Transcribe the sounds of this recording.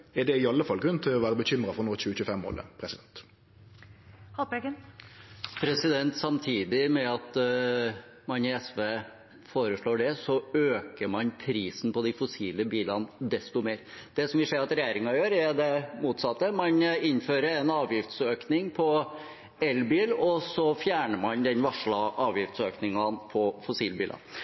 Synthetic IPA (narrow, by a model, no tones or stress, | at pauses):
ɛɖ̪ɛɪɑlːəfɑlɡɾʉnt̪ʰɪlɔʋæːɾəbəçʏmɾɑfɔɾnuːɕʉːəçʉːəfɛmːo̰ːlə̰pʰɾɛsɪd̪ɛnt̪ | hɑbɛɡən | pʰɾɛsɪd̪ɛnt̪sɑmt̪ʰiːd̪ɪmɛɑt̪ | mɑnɪɛsʋeː | foːɾəʂɭoːɖɛsɔøːkəmɑnpʰɾiːsn̩pɔd̪ɪfʊsiːləbiːlɑnd̪ɛst̪ʊmeːɾd̪̥ɛsɔmʋɪseːɾɑt̪ɾɛjeːɾɪŋɑjøːɾɛɖ̪ɛmuːt̪sɑt̪ːəmɑnɪnføːɾəɾɛnɑːʋjɪft̪søːknɪŋpʰɔ | ɛlbiːlɔsɔfjæːɳəmɑnd̪ɛnʋɑʂɭɑʔɑːʋjɪft̪søːknɪŋɑnpʰɔfʊsiːlbiːlɑ̰